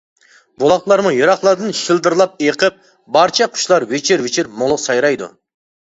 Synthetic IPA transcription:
bolˠɑqlˠɑɾmʊjɑɾɑqlˠɑɾd̪ɨnʃɨlˠd̪ɨɾlˠɑp̚eqʰəp̚ | bɑɾt͡ʃʰɑqʰʊ̥ʃlˠɑɾwɪt͡ʃʰɪɾwɪt͡ʃʰɪɾmolˠʊqsɑjɾɑjd̪ʊ̰

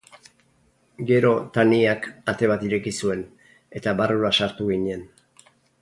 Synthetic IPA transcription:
ɡe̞ɾo̞t̪aniakat̪e̞β̞at̪iɾe̞kisue̞n | e̞t̪aβaruɾasaɾt̪uɣiɲe̞n

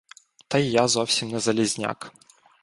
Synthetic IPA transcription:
t̪ɐjjazɔfsʲɪmʲnɐzɐlʲɪzʲnʲa̰k

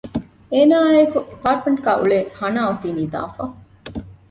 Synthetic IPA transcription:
eːnaːekuipaːɾʈ̚meɳʈɡæːʔuɭehɐnaːut̪iːniːd̪a̰ːfɐ

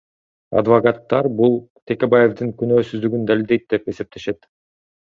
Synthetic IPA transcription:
ɑ̰d̪vɐkat̪ːɑɾbulˠt̪ʰʲe̞kʲe̞baje̞vd̪ɯŋkynø̞ːsyzd̪yɡynd̪alʲild̪e̞jt̪̚d̪e̞pe̞se̞p̚t̪e̞ʃe̞t̪

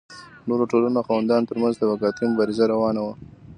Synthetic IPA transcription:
noɾoʈolunoxawand̪ɑnt̪əɾmanzd̪əwaɡɑt̪imʊbɑɾɪzaɾawɑnawa

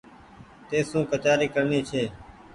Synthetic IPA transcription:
t̪eːsũːkət̪jaːɾiːkəɾniːt͡ʃʰeː

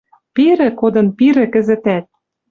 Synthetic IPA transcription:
piɾɘ̆kod̪ɤ̆npiɾɘ̆kɘ̆zɘ̆t̪æt̪̚

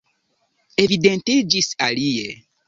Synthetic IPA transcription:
evid̪ẽnt̪ed͡ʒisalije

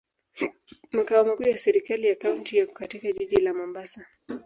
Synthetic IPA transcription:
makaɔmakuːjasɛɾikalijakauntijakatikaʄiʄilamɔmbasa

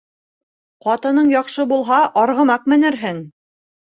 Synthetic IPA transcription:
qɑt̪ɤ̆nɤɴjɒqʃɤbulˠɦɑʔɑɾʁɤ̆mɑq̚mɘ̆nɘ̆ɾɦɘŋ

